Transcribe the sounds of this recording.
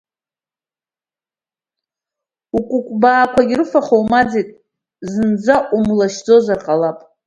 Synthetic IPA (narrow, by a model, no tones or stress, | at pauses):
ukʷʼukʷʼbaːkʷʰaɡʲiɾɨfaχowmad͡zitʼ | zɨnd͡zaʔumulaʃd͡zo̞zarqʼalapʼ